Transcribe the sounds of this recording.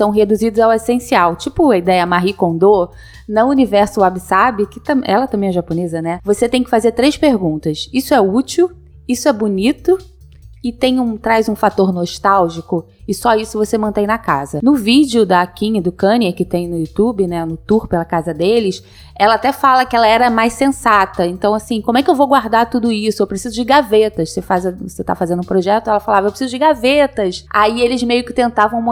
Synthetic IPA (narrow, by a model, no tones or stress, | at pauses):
sɐ̃w̃ɦed̪uzid̪ʊzawesẽsiawt͡ʃipʊɐid̪ɛjɐmaɦikõnd̪o | nɐunivɛɾsʊabisabɪkɪt̪ɐ̃mɛ̰lɐt̪ɐ̃mbẽj̃ɛʒaponezɐnɛvoset̪ẽj̃kɪ̥fazeɾt̪ɾejʃpeɾɡũnt̪ɐsisʊɛut͡ʃiw | isʊɛbunit̪ʊ | ɪt̪ẽj̃ũt̪ɾajzũfat̪oɾnoʃt̪awʒikʊ | ɪsɔisʊvosemɐ̃nt̪ẽj̃nɐkazɐnʊvid͡ʒɪʊd̪ɐːkĩɲd̪ʊkɐ̃niekɪt̪ẽj̃nʊjut̪ubɪnɛnʊt̪uɾpelɐkazɐd̪elɪʃ | ɛlɐat̪ɛfalɐkɪɛlɐɛɾɐmajssẽsat̪ɐẽnt̪ɐ̃w̃asĩkõmʊɛkɪewvoɡwaɾd̪aɾt̪ud̪ʊisʊewpɾesizʊd͡ʒɪɡavet̪ɐʃsefazɐset̪a̰fazẽnd̪ũpɾoʒɛt̪ʊɛlɐfalavɐɛwpɾesizʊd͡ʒɪɡavet̪ɐsa̰ielɪzmejʊkɪ̥t̪ẽnt̪avɐ̃w̃m